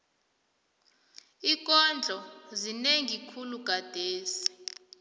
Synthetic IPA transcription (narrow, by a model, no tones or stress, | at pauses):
ik̬ʼɔnd͡ɮʱɔzineŋʱikʰuluɡ̥ʱad̥ʱeːsi̥